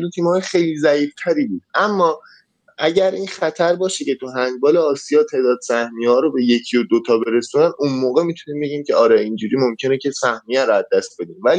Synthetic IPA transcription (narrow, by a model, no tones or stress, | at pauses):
d̪ut̪ʰiːmhɒːjexejliːzæiːft̪ʰæɾiːbuːd̪̚ʔæmːɒː | æɟæɾʔiːnxæt̪ʰæɾbɒːʃece̞t̪ʰuɦæŋɡbɒːleɒːsijɒːt̪ʰe̞ːd̪ɒːd̪sæhmiɒːɾobe̞je̞cʰijod̪ot̪ʰɒːbe̞ɾesuːnæd̪unmoːɣe̞mit̪ʰuniːmbe̞ɟiːmcʰeɒːɾɛind͡ʒuːɾiːmo̞mcʰe̞necʰe̞sæhmijæɾoæd̪ːæst̪̚be̞d̪iːmvæli